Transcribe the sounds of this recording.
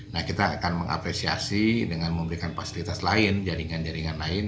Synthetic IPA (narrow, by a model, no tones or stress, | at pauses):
nahkit̪aːkanməŋʔa̰pɾesia̰sidəŋanməmbəɾikanfasilit̪aslaɪnd͡ʒaɾiŋand͡ʒaɾiŋanlaɪn